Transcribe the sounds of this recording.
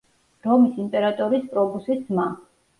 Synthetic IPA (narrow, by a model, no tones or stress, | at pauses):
ɾɔmisimp̪ʼɛɾat̪ʼɔɾispʼɾɔbusit̪sʰma